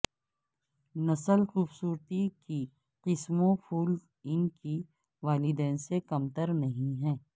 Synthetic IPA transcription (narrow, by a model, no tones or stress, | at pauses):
nɐsəlxuːbsuːɾt̪iki | qɪsmõpʰuːl | ɪnki | ʋaːlɪd̪ɛːnsekɐmt̪əɾnɐɦĩɦɛ̃ː